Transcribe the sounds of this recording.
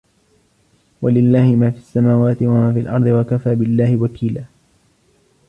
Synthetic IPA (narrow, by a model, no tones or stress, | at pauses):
walɪlːaːhɪmaːfiːʔasːamaːwaːt̪ɪwamaːfiːalʔɑ̰ɾˤd̪ˤɨwakafaːbɪlːaːhɪwakʰiːlaː